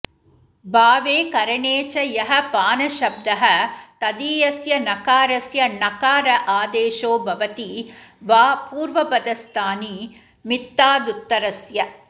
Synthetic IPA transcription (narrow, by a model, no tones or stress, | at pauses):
baːʋeːkɐɾɐɳeːt͡ʃɐjɐɦɐpaːnɐʃɐb̚d̪ɐɦɐt̪ɐd̪iːjɐsjɐnɐkaːɾɐsjɐnɐkaːɾɐʔaːd̪eːʃoːbʱɐʋɐt̪iʋaːpuːɾʋɐpɐd̪ɐst̪ʰaːni | mit̪ːaːd̪ut̪ːɐɾɐsjɐ